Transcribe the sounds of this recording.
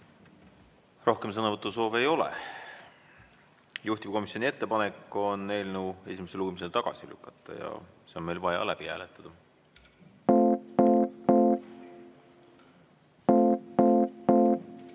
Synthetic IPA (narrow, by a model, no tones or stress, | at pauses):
ro̞hke̞ms̬ɤnɑvɤt̪ːˑuso̞ːvejo̞lḛ | juht̪ivko̞misjonʲie̞t̪ːepɑnekːˑo̞nːe̞ːlnue̞simeseluɡumis̬e̞lt̪ɑɡ̥ɑsilykːˑɑt̪ːˑɑ̰jɑ̰ | se̞onme̞lvɑjɑ̰læb̥ihæ̰ːlet̪ːˑɑd̪̥ɑ